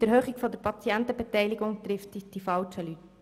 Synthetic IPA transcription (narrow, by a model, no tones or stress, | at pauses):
d̥əɾhøːχikfɔdəɾpʰɑt͡siɛntəbɛtɛɪlɪɡʊŋt̪ɾɪftd̥ifɑlt͡ʃəlyt